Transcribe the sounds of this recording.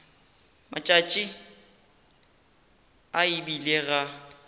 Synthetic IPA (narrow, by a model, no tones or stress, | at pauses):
mat͡ʃʼat͡ʃʼɪ | aɪbileɣa